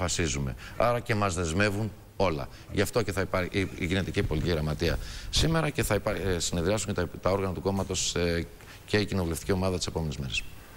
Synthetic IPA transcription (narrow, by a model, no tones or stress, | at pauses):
fɐsizume̞̰ɐɾɐce̞mɐzðe̞zme̞vun | o̞lɐ̰ | ʝɐft̪o̞ce̞θɐipɐiiʝine̞t̪icipo̞liciɣɾɐmɐt̪iɐ̰sime̞ɾɐce̞θɐsine̞ðɾiɐsuɲt̪ɐo̞ɾɣɐnɐt̪uko̞mɐt̪o̞s | ce̞icino̞vule̞ft̪i̥cio̞mɐðɐt̪ise̞po̞menezme̞ɾe̞s